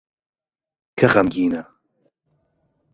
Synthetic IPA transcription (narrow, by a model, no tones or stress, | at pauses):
kʰɐɣɐmɡiːnɐ